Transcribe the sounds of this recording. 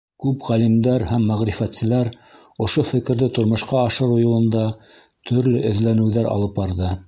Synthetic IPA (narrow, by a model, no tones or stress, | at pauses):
kʉpʁælimd̪æɾhæmːæʁɾifæt̪sɘ̆læɾ | ŏʃofɘ̆kɘ̆ɾðɘt̪ŏɾmŏʃqɑːʃɤɾujŏlˠɤ̆nd̪ɑ | t̪ʰɵ̆ɾlɵʔɵ̆ðlænɘ̆wðæɾɑ̰lˠɤp̚bɑɾðɤ